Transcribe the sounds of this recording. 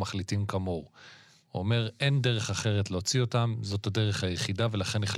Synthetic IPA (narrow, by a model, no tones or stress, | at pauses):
maχlitimkamoʁ | uome̞ʁe̞nde̞ʁe̞χaχe̞ʁetleot͡sio̞tamzo̞tade̞ʁeχhajeχidave̞laχe̞niχl